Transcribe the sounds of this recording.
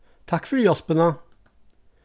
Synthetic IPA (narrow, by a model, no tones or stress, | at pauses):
t̪ʰɑkfɔɾjɔspənə